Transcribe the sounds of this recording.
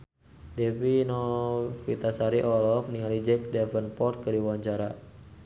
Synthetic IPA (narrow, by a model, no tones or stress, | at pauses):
dɛfinɔkwit̪asaɾiʔɔlɔkniŋalid͡ʒɛk̚dɛfənpɔrt̪̚kəɾiwwaɲt͡ʃaɾa